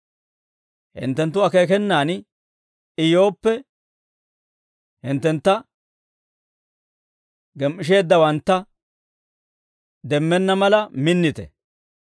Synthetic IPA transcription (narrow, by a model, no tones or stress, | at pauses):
hɪ̰nt̪ːɛnt̪ːʊɐke̞ːkɛnːaːn | ɪjo̞ːpːɛ | hɪnt̪ːɛnt̪ːɐ | ɡɛmːɪʃ̬e̞ːd̪ːɐwɐnt̪ːɐ | d̪ɛmːɛnːɐmɐlɐmɪnːɪt̪ɛ̰